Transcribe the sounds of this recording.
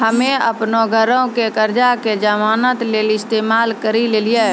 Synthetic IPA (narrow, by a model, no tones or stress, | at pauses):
ɦəmẽə̰pnoɡʱəɾõkekəɾd͡ʒaked͡ʒəmaːnət̪leːlɪst̪eːmaːlkəɾileːlije